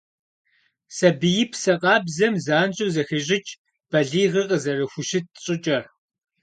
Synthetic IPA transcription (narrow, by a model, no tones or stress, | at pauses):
sɐbɨjɪpʰsɐqʼɑːbzɐmzaːnt͡ʃʼɨwzɐxeʑʼɪt͡ʃʼ | b̥ɐɮiːʁɨqʼəzɐrɨxʷʊʃɪt̚ɕʼɪt͡ʃʼɐr